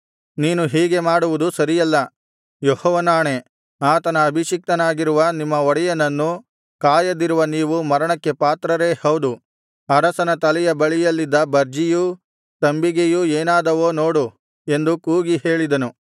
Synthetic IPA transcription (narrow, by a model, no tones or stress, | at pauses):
niːnuɦiːɡe̞maːɽuʋud̪usɐɾijɐlːɐ | johɔːʋɐnaːɳe̞ | aːt̪ɐnɐːbʱiʃik̚t̪ɐnaːɡiɾuʋɐnimːɐɔɽɛjɐnɐnːu | kaːjɐd̪iɾuʋɐniːʋumɐɾɐɳɐkːe̞paːt̪ɾɐɾe̞ːhɐwd̪u | ɐɾɐsɐnɐt̪ɐlɛjɐbɐɭijɐlːid̪ːɐbɐɾd͡ʒiju | t̪ɐmbiɡejueːnaːd̪ɐʋo̞ːno̞ːɽu | e̞nd̪ukuːɡiɦe̞ːɭid̪ɐnu